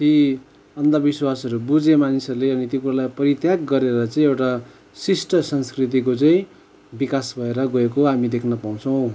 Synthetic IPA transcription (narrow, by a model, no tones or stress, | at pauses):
t̪i | ʌnd̪abiswasʌɾubud͡zemanisʌɾuleʌnit̪jokuɾalajpʌɾit̪jaɡɡʌɾeɾʌt͡sʌĩewʈa | sisʈʌsʌnskrit̪̬ikot͡saĩ | bikasbʱʌeɾʌɡʌek̬oɦamid̪ekʰnʌpaw̃t͡sʰʌ̃w̃